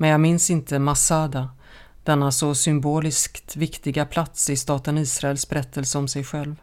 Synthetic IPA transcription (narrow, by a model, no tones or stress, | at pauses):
mɛnjɑːɡmɪnsɪnt̪ʰəmasad̪a | d̪̥ɛnːasɔsʏmboːlɪskt̪vɪkt̪ɪɡapʰlat̪sɪst̪ɑːt̪əniːsɾaɛlsbɛɾɛt̪ʰːəlsəɔmsɛjɧɛlv